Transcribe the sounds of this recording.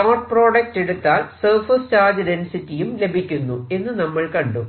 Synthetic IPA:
ɐmɐʈ̚pro̞ːɖɐk̚te̞ɽut̪ːaːlsɐrfɐst͡ɕaːd͡ʑɐdensitːijumle̞bʱikʲːunːue̞nːɨnɐmːɐɭkɐɳɖu

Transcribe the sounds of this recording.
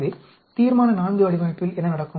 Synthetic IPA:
ðɪ | t̪iːɾmaːnɐnaːnd̪ɯɐɽɪʋaːjɐpːɪlɛnɐnɐɽɐkːɯ

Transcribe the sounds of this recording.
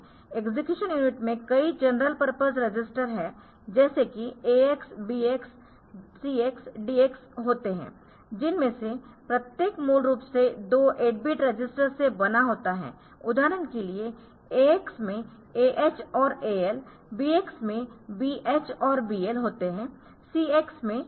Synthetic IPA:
eɡzɪkjuːʃənjuːnɪʈmẽkɐid͡ʒɐnɾəlpəɾpəzɾɐd͡ʒɪsʈəɾɦɛ | d͡ʒɛːsekieeksbiːeksː | iːeksɖiːeksɦoːt̪eɦɛ̰̃ː | d͡ʒɪnmẽsepɾɐt̪jeːkmuːlɾuːpsed̪oːʔeːɖ̚bɪʈɾɐd͡ʒɪsʈəɾsebɐnaɦoːt̪aɦɛ̰ː | ʊd̪ʱaːɾənkelie | eːeksmẽ | eːʔeːt͡ʃɔːɾeːɛl | biːeksmẽbiːʔeːt͡ʃɔːɾbiːelɦoːt̪eɦɛ̃ː | siːeːksmẽ

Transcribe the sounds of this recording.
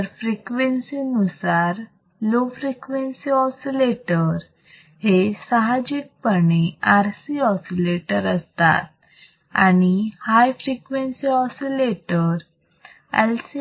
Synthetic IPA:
ɾfɾikʋensinusaɾ | lofɾikʋensiɔsileʈəɾ | hesəɦad͡ʑiːk̚pəɳeaɾsiɔsileʈəɾəst̪a̰t̪̚ | a̰ñihajfɾikʋensiɔsileʈəɾ | ɛ̰lsi

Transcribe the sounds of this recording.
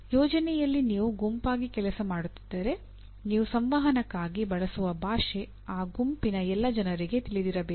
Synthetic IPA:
jɔːd͡ʒɐnɛjɐlːiniːʋuɡumpaːɡikɛlɐsɐmaːɽut̪ːi̥d̪̥ːɐɾe̞ | niːʋusɐmʋaːɦɐnɐkːaːɡibɐɭɐsuʋɐbʱaːʂe | aːɡumpinɐɛlːɐd͡ʒɐnɐɾiɡe̞t̪iɭid̪iɾɐbeː

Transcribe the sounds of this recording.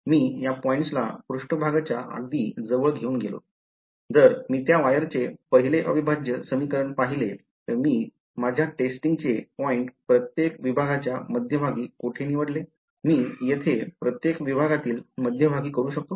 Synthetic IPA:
miːjapɔiɳʈsla̰kɾuʂʈəbʱaɡat͡ɕjaʔa̰ɡ̚d̪iːd͡zəʋəɭɡʱeuːnɡʱelo̰ | d͡z̪əɾmiːt̪jaʋajəɾt͡sepəɦileʔə̰ʋibʱad͡ʑjəsəmikəɾəɳpaɦile | t̪əɾmiː | mad͡ʑʱjaʈesʈiŋɡ̚t͡sepɔiɳʈpɾət̪jekʋibʱaɡat͡ɕjaməd̪ʱjəbʱaɡiːkoʈʰeniʋəɽle | miːjet̪ʰepɾət̪jekʋibʱaɡat̪iːlməd̪ʱjəbʱaɡiːkəɾuːɕək̚t̪o

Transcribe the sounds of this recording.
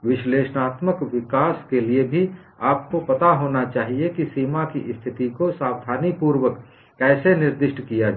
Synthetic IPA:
ʋɪʃleːʃnaːt̪məkʋɪkaːskeliebʱi | aːp̚kopɐt̪aɦoːnat͡ʃaːɦiekisiːmakiʔɪst̪ʰɪt̪ikosaːwd̪ʱaːnipuːɾwək | kɛːsenɪɾd̪ɪʃʈʰkijad͡ʒ

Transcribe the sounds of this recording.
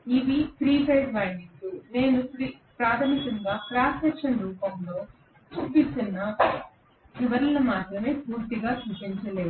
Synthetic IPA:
iʋipʰɾiːpɐjɖʋaːnit̪ːune̞ːnupɾipɾaːt̪ʰɐmikɐŋɡaːkɾaːsɐkʃɐnɾuːpɐmlo̞ː | t͡ʃuːpit̪unːɐ | iʋɐɾɐlɐmaːt̪ɾɐme̞ːpuːɾt̪iɡaːswuʂiɲt͡ʃɐle̞ːu

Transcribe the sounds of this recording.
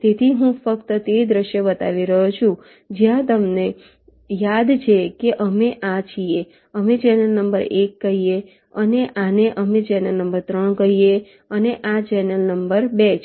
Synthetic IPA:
t̪et̪ʰiɦũfəkt̪ət̪ed̪ɾəʃjobət̪a̰ʋiɾəɦot͡ʃʰũ | d͡ʒjãt̪əmne | jad̪t͡ʃʰekeʔəmeʔat͡ʃʰie | əmet͡ʃɛnəlnəmbəɾekːəɦije | əneʔaneʔəmet͡ʃɛnəlnəmbəɾt̪ɾəɳkəɦie | əneʔat͡ʃɛnəlnəmbəɾbet͡ʃʰ

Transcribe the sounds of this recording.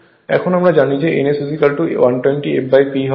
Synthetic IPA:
ɛ̰kʰonamɾad͡ʑanid͡ʑeʔḛnesusikalʈuwanʈwenʈiḛbajpiɦɔ

